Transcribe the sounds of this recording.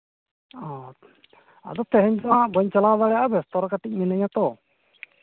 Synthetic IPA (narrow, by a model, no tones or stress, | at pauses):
ɔ̃ | a̰d̪ɔt̪ʰɛɦɛɲsabɔɲt͡ʃalawd̪aɽɛjaʔbɛst̪ɔɾɔkaʈic̚ˀminɛɲat̪ɔ